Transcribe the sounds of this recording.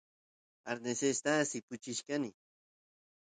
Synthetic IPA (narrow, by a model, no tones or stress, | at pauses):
aɾnesest̪asipʊt͡ʃiʃkani